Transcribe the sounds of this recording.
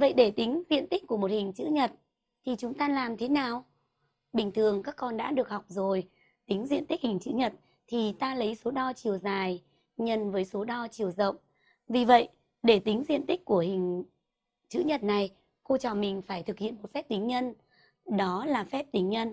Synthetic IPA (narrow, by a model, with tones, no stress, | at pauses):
və̰˧˨jɗe˧˩t̪ï˨˦ŋ̟zḭ˧˨ənt̪i˦˥k̟̚ku˧˩əmo˨˩t̚hï˨˩ŋ̟t͡ɕɨ̰˧˥ɲə˨˩t̚ | t̪ʰi˨˩t͡ɕʊ˨˦ŋ͡mt̪aː˧laː˨˩mt̪ʰe˨˦naː˨˩w | ɓï˨˩ŋ̟t̪ʰɨ˨˩əŋkaː˦˥kːɔ˧nɗa̰ː˧˥ɗɨ˨˩ək̚hɔ˨˩wk͡p̚zo˨˩j | t̪ï˨˦ŋ̟zḭ˧˨ənt̪i˦˥k̚hï˨˩ŋ̟t͡ɕɨ̰˧˥ɲə˨˩t̚ | t̪ʰi˨˩t̪aː˧lə˨˦jso˨˦ɗɔ˧t͡ɕi˨˩əwzaː˨˩j | ɲə˧nvəː˨˦jso˨˦ɗɔ˧t͡ɕi˨˩əwzə̰˧˨wŋ͡m | vi˨˩və̰˧˨j | ɗe˧˩t̪ï˨˦ŋ̟zḭ˧˨ənt̪ï˦˥k̚ku˧˩əhï˨˩ŋ̟ | t͡ɕɨ̰˧˥ɲə˨˩t̚na˨˩j | xo˧t͡ɕɔ˧˨˩mï˨˩ŋ̟faː˧˩jt̪ʰɨ˨˩k̚hḭ˧˨ənmo˨˩t̚fɛ˦˥p̚t̪ï˨˦ŋ̟ɲə˧n | ɗɔ˨˦laː˨˩fɛ˦˥p̚t̪ï˨˦ŋ̟ɲə˧n